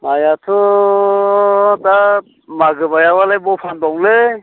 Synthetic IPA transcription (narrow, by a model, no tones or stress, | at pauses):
majatʰɔ | ta | maɡɯbajawalajbɔpʰandɔŋle